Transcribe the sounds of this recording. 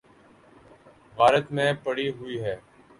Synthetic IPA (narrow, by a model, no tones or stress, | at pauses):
ɣaːɾət̪mẽːpəɽiːɦʊiːɦɛː